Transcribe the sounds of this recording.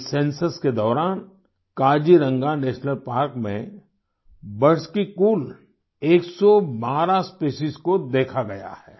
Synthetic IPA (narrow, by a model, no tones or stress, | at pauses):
sẽːnsəsked̪ɔːɾaːn | kaːd͡ʒiɾə̃ŋɡaneːʃnəlpaːɾkmḛ̃ | bɐɾskikuːl | eːksɔbaːɾaspeːʃiskod̪eːkʰaɡɐja̰hɛː